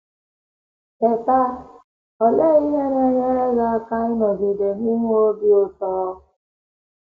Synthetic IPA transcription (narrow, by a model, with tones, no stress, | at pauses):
e˨ta˦ | ɔ˨le˦i˦ɦe˦ɲe˦ɲe˦ɾe˦ɡa˦a˦ka˦ɪ˦nɔ˨ɡi˨de˨n˦i˦mu˦o˦bi˦o˨tɔ˦ɔ˦